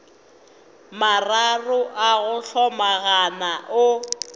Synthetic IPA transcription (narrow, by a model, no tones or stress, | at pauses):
mararʊʔaɣʊɬɔmaɣanaʔʊ